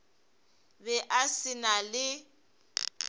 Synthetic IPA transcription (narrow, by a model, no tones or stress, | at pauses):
bɛʔasɪnalɪ